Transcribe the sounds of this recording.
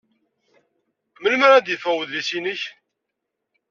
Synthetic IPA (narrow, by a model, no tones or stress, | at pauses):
məlməɾæd̪jəfæwəððisinəç